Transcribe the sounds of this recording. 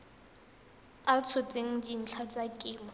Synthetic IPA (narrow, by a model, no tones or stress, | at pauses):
at͡sʰʊt͡sʼeŋ̩d͡ʒin̩t͡ɬʰat͡sʼakʼɪːma